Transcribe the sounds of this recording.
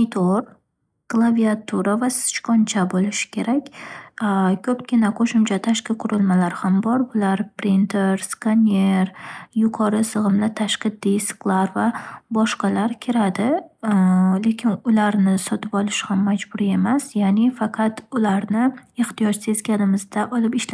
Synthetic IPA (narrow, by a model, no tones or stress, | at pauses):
nɪt̪ʰoɾ | klˠaviat̪ʰuɾavasɪ̥t͡ʃkʰɒnt͡ʃʰabolɪʃɪ̥kʲʰe̞ɾakʲ | kʰʲɵpɡʲɪnaqʰoʃɪmt͡ʃʰat̪ʰaʃkʲɪqʰʊɾɪlˠmalaɾhambɒɾʊlaɾpɾɪnt̪ʰeɾskane̞ɾjʊqʰɒɾɪsɨʁɨmlat̪ʰaʃqɨd̪isɨ̥qlˠaɾvabɒʃqɑlaɾkʲʰɪɾad̪ɪ | le̞kʲʰɪnʊlaɾnɪsɒt̪ʰɪpɒlˠɪʃhamːad͡ʒbʊɾie̞masjanɪfɑqʰɑt̪ʊlaɾnɪɪχt̪ijɒʃse̞zɡʲanɪmɪzd̪aʔɒlɪpɪʃla